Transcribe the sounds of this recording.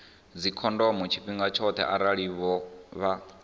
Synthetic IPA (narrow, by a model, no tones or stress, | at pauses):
d͡zikʰɔndɔmut͡ʃʰiɸiŋɡat͡ʃʰɔt̪ʰɛ̰ʔaɾaɺiβɔβa